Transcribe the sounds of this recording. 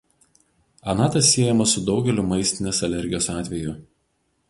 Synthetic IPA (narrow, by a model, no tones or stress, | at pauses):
ɐnɑːt̪ɐsːʲiɛjɛmɐsʊd̪ɒʊɡʲɛlʲʊmɐɪsʲt̪ʲɪnʲeːsɐlʲɛɾʲɡʲɪjoːsɑːt̪ʲʋʲɛjʊ